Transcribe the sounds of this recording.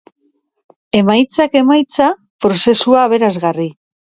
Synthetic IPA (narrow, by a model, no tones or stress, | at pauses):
e̞majt͡sake̞majt͡sa | pɾo̞se̞suaːβ̞e̞ɾazɣari